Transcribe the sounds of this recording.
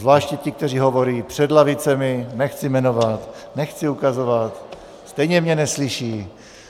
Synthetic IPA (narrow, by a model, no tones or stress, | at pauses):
zvlaːʃcɛcɪk̚t̪ɛr̝iːɦovo̞ɾiːpr̝̥ɛd̪lavɪt͡sɛmɪnɛxt͡sɪmɛnovat̪nɛxt͡sɪukazovat̪ | st̪ɛjɲɛmɲɛnɛslɪʃiː